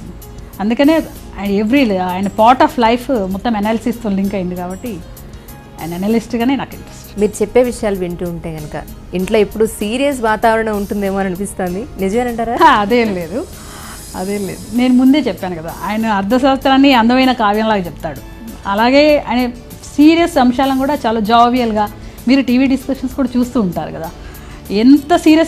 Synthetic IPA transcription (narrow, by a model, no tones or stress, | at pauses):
ɐnd̪ukɐneː | eʋɾilaːjɐnɐpaːɾʈaːpʰlɐjpʰmɔt̪ːɐmenaːlɐsist̪uɳɖiŋkɐjind̪ikaːbɐʈːi | a̰ːjɐnɐenaːlisʈiɡaːne̞ːnɐkːɐmʈesmiːɾut͡ʃepːe̞ːʋiʂɐjaːluʋiɳʈiuɳʈe̞ːɡɐnɐkɐ̰ | iɳʈloːipːuɽusiːɾijɐs̬ʋaːt̪aːʋɐɾɐɳɐuɳʈund̪eːmoːnɐnipist̪oːnd̪inid͡ʒɐʋeːnɐɳʈaːɾaːɐd̪eːnle̞ːd̪u | ɐ̰d̪e̞ːnle̞̰ːd̪une̞ːnumund̪e̞ːt͡ʃɛpːaːnukɐd̪a̰ːʔa̰ːjɐnɐɐɾd̪ʱɐs̬ɐʋɐst̪ɾaːnːiɐnd̪ɐʋɐjnɐkaːʋjɐnlaːɡat͡ʃɛp̚t̪aːɽu | ɐlaːɡe̞ːa̰ːjne | siːɾijɐsɐmʂaːlɐnkuːɽaːt͡ʃaːloːd͡ʒaʋijɐlɡaːmiːɾuʈiːʋiːɖiskɐʂɐnskuːɽaːt͡ʃuːst̪uːɳʈaːɾṵkɐd̪aː | ent̪ɐsiːɾijɐs